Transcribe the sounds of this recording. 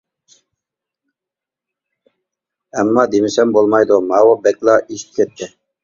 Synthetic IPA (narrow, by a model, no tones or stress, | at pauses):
ɛmːɑːd̪emɪsɛmbolˠmɑjd̪ʊmɑwobɛkʲlˠɑʔiʃt̪̚kʲʰɛt̪ʰːɪ